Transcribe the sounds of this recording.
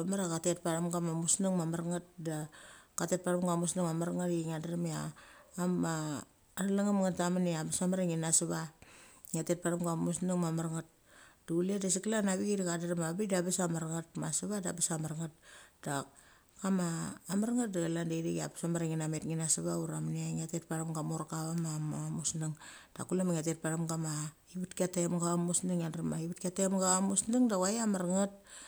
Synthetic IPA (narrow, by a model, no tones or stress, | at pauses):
amaɾakatet̚paɾamɡamamusnuŋmamaɾŋat̚dakatet̚paɾamɡamusnaŋmamaɾaŋatiiŋadaɾamiaːmaː | ɾalaŋamŋatamaniabasamaɾaŋinasaβa | ŋatet̚paɾamɡamusnuŋmamaɾŋat̚ | duledas̬iklanaβiɡidakadaɾamabidabasamaɾaŋat̚masaβada̰basamaɾŋat̚da | kamaːmaɾŋat̚daɡalandejɾeɡa̰bḁsamaɾaŋinametŋinasaβauɾamniaŋatet̚paɾamɡamoɾakaβamamamusnaŋ | d̥a̰kulamaŋatet̚paɾamɡama | iβutkiatamɡamusniŋandɾmaiβutkatemɡamusnaŋdawajamaɾŋat̚